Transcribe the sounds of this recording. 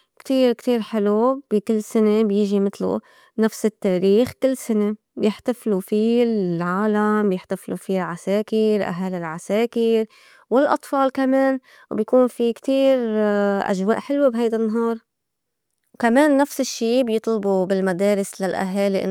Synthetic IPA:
kt̪iːɾkt̪iːɾħɪlub̥ikɪlːsɪnebjɪʒimɪt̪lṵ | nafsɪt̪ːaːɾiːxkɪlːsɪne | bjɪħt̪aflufiʕaːlambjɪħt̪aflufiʕaseːkɪɾʔa̰ɦaːlɪlʕaseːkɪɾ | wɪlʔɑ̰t̪ˤfɑːlkameːn | wbjakuːnfikt̪iːɾʔa̰ʒwa̰ːʔħɪlwebɦajd̪anːaɦɑːɾˤ | kameːnːafsɪʃːiːbjɨt̪ˤlɑbubɪlmad̪eːɾɪslalʔa̰ɦaːliʔɪ̰

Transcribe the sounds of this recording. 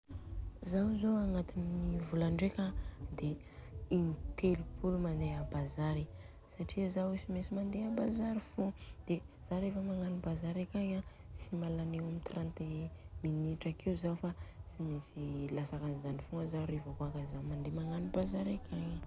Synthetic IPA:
zawzoaŋat̪inivulaɳɖ͡ʐekad̪e | int̪elipʰulumand̪eabazaɾi | saʈ͡ʂiazawisimesimand̪eabazaɾifud̪̥ez̥aɾefəmaŋanibazaɾakʲaɲa | simalanewamit̪rãnt̪eminiʈ͡ʂakʰeuzafat͡simesilasakanizanifuŋəzaɾevakuakazamand̪emaŋanibazaɾakʰʲaɲa

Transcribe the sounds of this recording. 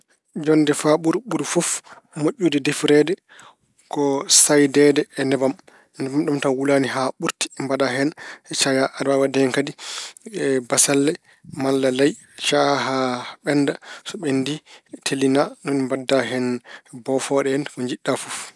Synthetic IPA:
d͡ʒɔnːdɛfaɓuɾɓuɾufɔf | moʔʲːudɛdefɾɛdɛ | kɔsajdɛdɛːnɛbam | nɛbamɗɔmtawulaniɦaɓuɾti̥mbadaɦɛnɛt͡ʃajaʔaɾbabadɛnkadiɛbasalːɛ | malːalaj | t͡ʃaɦaɓɛnːdasɔɓɛnditʰelinanɔnmbadːaɦɛnbɔfɔɗɛɛnkɔɲd͡ʒiɗːafuf

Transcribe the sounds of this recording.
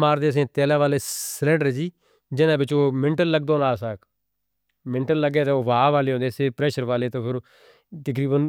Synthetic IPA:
maːɾd̪eːəs̬ẽːt̪ɛːlãːʋaːleːslɛ̃ːɳɖəɾd͡ʒiː | d͡ʒɪnãːbɪt͡ʃoːmɪ̃ɳʈəlːləɡd̪oːnaːsaːk | mɪ̃ɳʈəlːləɡeːt̪eoːʋaːʋaːleːɦõːd̪eːseːpɾɛːʃəɾʋaːleːt̪õːpʰɪɾ | t̪ək̬ɾiːbən

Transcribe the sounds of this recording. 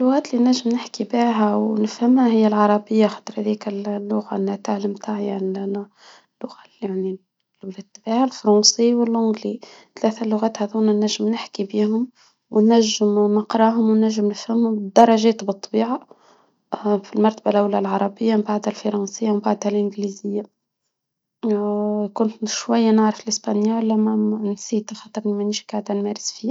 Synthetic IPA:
lːʊɣæːt̪linæʒːɪmnɪħkibaɦæwnɪfhɪmhæhɪjːælʕɑɾˤɑbɪjːaxɑ̥t̪ˤɾˤhæðikɪllːʊɣanhæt̪aʕlɪmt̪aːʕjaʕni | lːʊɣalaʕni | wlɪt̪ːbaʕalfɾˤɑːnsiwɪlʕʊɡlit̪læːθælːʊɣæːt̪hæðuːnænːæʒːɪmnɪħkibiːhʊm | wnːæʒːɪmnəqɾˤɑɦʊmwnːæʒːɪmnfhɪmhʊmd̪ɑɾˤɑʒɛːt̪bɨt̪ˤːɑbiːʕa | filmɑɾˤt̪abalʔawlælʕɑɾˤɑbɪjːammbaʕd̪hælfɑɾˤɑnsɪjːawmbaʕd̪hælʔɪnɡlizɪjːa | kʊnt̪ʃwæjːænaʕɾɑfɪlʔɪsbænjæwælːæmænsiːt̪axɑt̪ˤɑɾˤmimæniʃkaʕd̪ænmɛːɾɪsfiː

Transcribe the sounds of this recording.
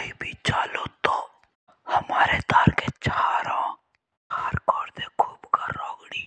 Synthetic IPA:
ibʱit͡ʃaːlot̪o | hɐmaːɾed̪aːɾket͡ʃaːɾõ | həɾkɔːɾd̪ekʰuːbkaɾɔːɡɽiː

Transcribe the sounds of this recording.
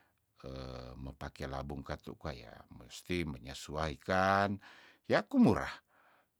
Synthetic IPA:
əməpakɛla̰buŋkat̪ṵkaja̰məst̪iməɲasuaɦikan | jakumuɾa̰h

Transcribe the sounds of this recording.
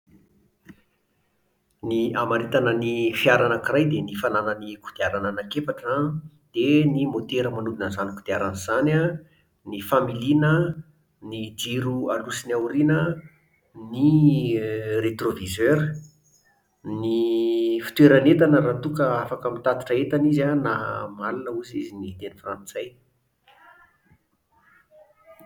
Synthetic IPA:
niamaɾit̪anənifiaɾanəkirajd̪enifananəniku̥d̪̥eaɾanənakefaʈ͡ʂa | d̪̥enimot̪eɾəmanud̪inəzaniku̥d̪̥eaɾanizana | nifamilinə | nid͡ʒiɾualusinawɾinə | ni | ret̪rovizøɾə | nifi̥t̪weɾanet̪anəɾat̪ukəafakəmit̪ad̪i̥ʈ͡ʂəet̪anizanamalunəuzizinit̪enifrant͡saj

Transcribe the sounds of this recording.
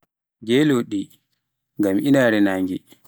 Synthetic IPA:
ɡɛːloːɗi | ŋɡamʔinaːɾɛnaŋɡi

